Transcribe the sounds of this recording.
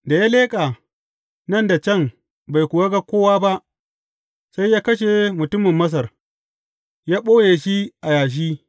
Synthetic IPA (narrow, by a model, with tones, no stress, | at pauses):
da˨jaː˦leː˦kʼaː˨ | nɐ˦˨nda˨t͡ʃɐ˦˨ŋ | ba˨jkʷʊ˨wa˦ɡa˦kʷoː˦waː˦ba˦ʔ | sa˦jːaː˦kɐ˦ʃ̬e˨mʊ˨tʊ˦mɪ˨mːɐ˦s̬ɐ˨r | jaː˦ɓoː˦jeː˨ʃi˦ʔa˨jaː˨ʃ̬iː˦